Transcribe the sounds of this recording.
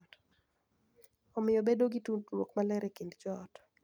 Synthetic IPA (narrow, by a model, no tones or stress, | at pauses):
ɔmɪjɔbedoɡituntwokmalɛɾʔɛkindd͡ʒɔt